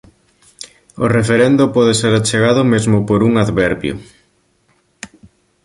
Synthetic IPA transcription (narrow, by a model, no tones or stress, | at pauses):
o̰refeɾend̪ʊpɔðeseɾat͡ʃeɣaðʊmezmʊpoɾuŋaðβɛɾβjʊ̰